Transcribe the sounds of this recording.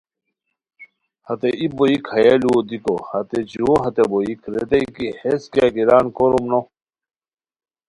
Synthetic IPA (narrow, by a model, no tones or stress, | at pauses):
hɐt̪eʔiboikhɐjelud̪ikohɐt̪ed͡ʑuɦɐt̪eboikɾet̪eikiheskakiɾaːnkoɾumno